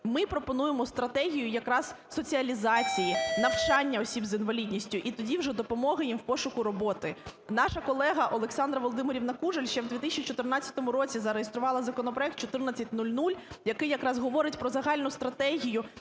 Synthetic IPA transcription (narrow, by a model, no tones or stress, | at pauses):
mɪpɾɔpɔnujemɔst̪ɾɐt̪ɛɦʲijʊjɐkɾɑz | sɔt͡sʲiɐlʲizɑt͡sʲijinɐwt͡ʃɑnʲːɐɔsʲibzinʋɐlʲidʲnʲisʲtʲʊʔit̪ɔdʲiwʒɛd̪ɔpɔmɔɦɪjimwpɔʃʊkʊɾɔbɔt̪ɪnɑʃɐkɔlˠɛɦɐʔɔlˠeksɑnd̪ɾɐʋɔlˠɔd̪ɪmeɾʲiwnɐkuʒelʲʃt͡ʃɛwd̪ʋʲit̪isʲt͡ʃit͡ʃɔt̪ɪrnɑt͡sʲːɐt̪ɔmʊɾɔt͡sʲizɐɾejest̪ɾʊʋɑlˠɐzɐkɔnɔpɾɔɛk̚t̪t͡ʃɔt̪ɪrnɐt͡sʲːɐtʲnulʲnulʲjɐkɪjɐkɾɑzɦɔʋɔɾɪtʲpɾɔzɐɦɑlʲnʊst̪ɾɐt̪ɛɦʲijʊ